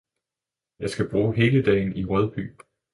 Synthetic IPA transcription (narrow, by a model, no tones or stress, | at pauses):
jɑ̈ɪsɡ̥æb̥ʁuːɦe̝ːləd̥ɛ̰ːɪn̩iʁœð̞ˠb̥y̰ː